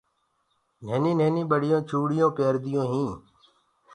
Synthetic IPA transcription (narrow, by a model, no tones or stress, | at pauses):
neːnĩːneːnĩːɓəɽɪjõːt͡ʃʰuːɽɪjõːpeːɾd̪ɪjõːɦĩː